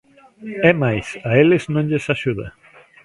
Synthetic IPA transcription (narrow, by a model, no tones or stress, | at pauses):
ɛmajsaelɪznõŋʎesaʃuðɐ̰